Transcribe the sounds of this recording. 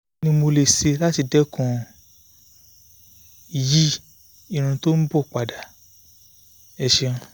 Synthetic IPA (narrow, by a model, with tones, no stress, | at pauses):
nĩ˧mo˧le˨se˧la˦ti˧dɛ˦kʰɔ̃˦˨ | ji˦ | i˦˨ɾ̃ũ˧to˦n̩˦bɔ˦˨k͡pa˨da˨ | ɛ˧ʃɛ˧ũ˧